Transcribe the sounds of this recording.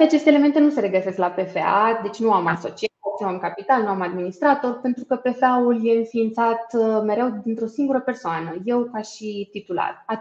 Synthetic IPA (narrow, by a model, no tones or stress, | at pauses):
t̪eat͡ʃe̞st̪element̪e̞nuse̞ɾe̞ɡəse̞sklape̞fe̞a̰d̪e̞t͡ʃʲnuamaso̞t͡ʃiot͡ʃamkapit̪alnuamad̪minist̪ɾat̪o̞rpe̞nt̪ɾukəpe̞feaulje̞ɨnfiːnt̪sat̪me̞ɾe̞wd̪int̪ɾo̞siŋɡuɾəpe̞rsoanəje̞wkaʃit̪it̪ula̰ra